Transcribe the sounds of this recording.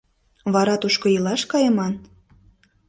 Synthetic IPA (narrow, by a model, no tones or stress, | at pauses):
βɑɾɑt̪uʃkojilɑʃkɑjəmɑn